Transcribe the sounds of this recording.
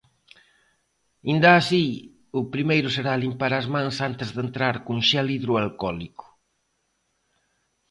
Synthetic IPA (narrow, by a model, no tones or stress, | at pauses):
ind̪aːsi | ʊpɾimejɾʊseɾalimpaɾazmãŋsant̪ezðent̪ɾaɾkuŋʃaliðɾʊalkɔlikʊ̥